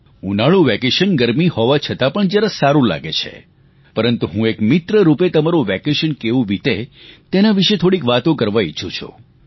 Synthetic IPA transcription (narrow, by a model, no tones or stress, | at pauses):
unaɭũʋɛkeʃənɡəɾmihɔʋat͡ʃʰət̪apəɳd͡ʒjaɾasaɾũla̰ɡet͡ʃʰḛ | pəɾənt̪uɦũekmɪt̪ɾəɾupet̪əmaɾuʋɛkeʃənkeʋũʋit̪et̪enaʋiʃet̪ʰoɽikʋat̪õkəɾʋaḭt͡ʃʰũt͡ʃʰṵ